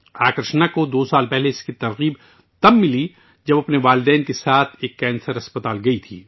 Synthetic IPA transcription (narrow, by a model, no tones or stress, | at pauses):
aːkɾɪʃnakod̪oːsaːlpɛɦleɪskit̪ɐɾɣiːb | t̪ɐmːɪli | d͡ʒɐbɐpneʋaːlɪd̪ɛːnkesaːt̪ʰeːkːɛːnsəɾɐspət̪aːlɡɐit̪ʰḭː